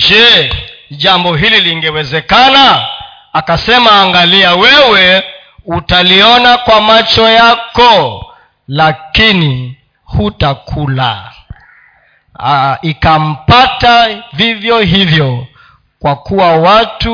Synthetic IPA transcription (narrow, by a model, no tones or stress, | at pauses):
d͡ʒɛ | ʄambɔɦililiŋɡɛwɛzɛkanaː | kasɛmaːŋɡaliawɛwɛ | utaliɔnakwamat͡ʃɔjakɔ | lakini | hutakʰula̰ | ikam̩patavivjɔɦivjɔ | kwakuwawatu